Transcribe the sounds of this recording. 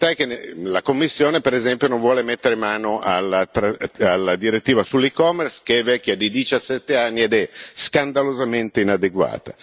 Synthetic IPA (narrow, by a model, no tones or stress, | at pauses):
sajkenelakomːisːjoːnepeɾezɛmpjonõɱvwɔːlemet̪ːeɾemaːnoʔalːat̪ɾaalːad̪iɾet̪ːiːvasulːikɔmːerskeɛvɛkʲːjad̪id̪it͡ʃasːɛt̪ːeanːied̪ɛskand̪alozament̪einad̪eɡwa̰ːt̪a